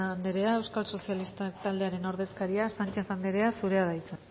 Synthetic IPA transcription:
nd̪eɾe̞ae̞wskalso̞sialist̪at̪ald̪e̞aɾe̞no̞ɾð̞e̞skaɾiasant͡ʃe̞θand̪e̞ɾe̞asuɾe̞aðajt͡sa

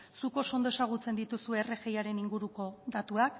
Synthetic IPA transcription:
suko̞so̞nd̪oe̞saɣ̞ut͡se̞nd̪it̪usue̞ːre̞ɣe̞jaɾe̞niŋɡuɾuko̞d̪at̪uak

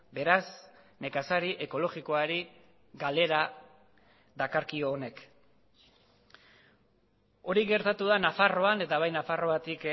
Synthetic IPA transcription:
be̞ɾas | ne̞kasaɾiʔe̞ko̞lo̞ɣiko̞aɾi | ɡale̞ɾa | ðakaɾkio̞ːne̞k | o̞ɾiɣe̞ɾt̪at̪uðanafaro̞ane̞t̪aβ̞ajnafaro̞βat̪ik

